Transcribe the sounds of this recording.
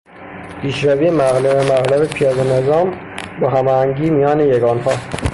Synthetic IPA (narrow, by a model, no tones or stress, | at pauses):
pʰiːʃɾæviːemæɣlemæɣlæbepʰijɒːd̪ene̞zɒːm | bɒɦæmɒːhæŋɟiːmijɒːnejeɡɒːnhɒː